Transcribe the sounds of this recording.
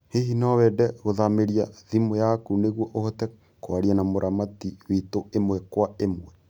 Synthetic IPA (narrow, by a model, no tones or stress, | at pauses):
hehinɔwɛdɛɣoðameɾiaðimojakuneɣwɔʔohɔtɛ | kwaɾianamoɾʔamatiwitoemwɛkwaemwɛ